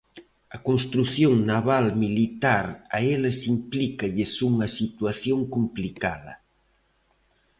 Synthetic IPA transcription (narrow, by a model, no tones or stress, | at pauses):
ɐkonst̪ɾuθjoŋnaβalmilit̪aɾaelɐsimplikɐʎɪsuŋɐsit̪waθjoŋkumplikaðɐ̰